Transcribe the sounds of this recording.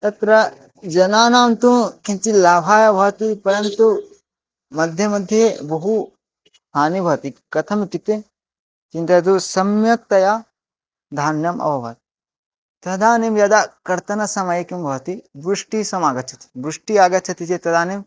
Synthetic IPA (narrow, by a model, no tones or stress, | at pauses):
t̪ɐt̪ɾɐ | d͡ʒɐnaːnaːmt̪ũkĩnt͡ʃilaːbʱaːjɐbʱɐʋɐt̪ipɐɾɐnt̪u | mɐd̪ʱjɐmɐd̪ʱjebɐɦu | ɦaːnibʱɐʋt̪ikɐt̪ʰɐmit̪it̪e | t͡ʃĩnt̪ɐd̪usɐmjɐk̚t̪ɐjaː | d̪ʱaːnjɐmʔɐ̰ʋɐʋɐ̰t̪ | t̪ɐd̪ʱaːnimjɐd̪aːkɐɾt̪ɐnɐsɐmɐjɐkimbʱɐʋɐt̪ibɾuʂʈisɐmaːɡɐt͡ʃʰɐ̥t̪i̥bɾuʂʈiaːɡɐt̪̚ːt͡ʃʰɐt̪it͡ʃet̪ɐd̪aːnim